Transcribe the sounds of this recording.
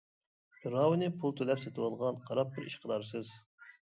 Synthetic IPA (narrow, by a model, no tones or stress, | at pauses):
b̥ɨɾɑwnɨpʰulˠt̪ʰølɛpset̪ʰɨwɑlˠʁɑnqʰɑɾɑp̚bɪɾiʃqʰəd̪ɑɾsɨz